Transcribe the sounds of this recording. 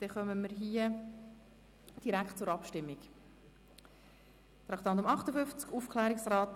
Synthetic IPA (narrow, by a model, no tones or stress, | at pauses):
d̪̥ɛχœməməɾɦiə | d̥iɾækχt̚t͡sʊɾɑpʃtɪmːik | t̪ɾɑkt̪ɑnt̪̬ʊmɑχtəfʏft͡skuːfkʰlɛːɾɪksɾɑːt